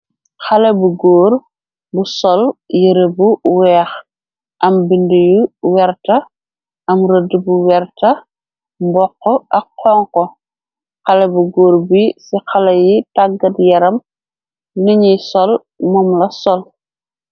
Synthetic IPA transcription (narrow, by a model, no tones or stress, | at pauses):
xɐlɐbuɡɔːɾ | busɔljəɾebuwɛːx | ʔɐmbindujuwɛrtɐ | ʔɐmrədibuwɛrtɐ | mbɔqːɔʔɐkqːɔŋkɔ | xɐlɐbuɡoːɾbisixɐlɐjitaɡɐtjɐɾɐm | niɲijsɔl | mɔmlɐsɔl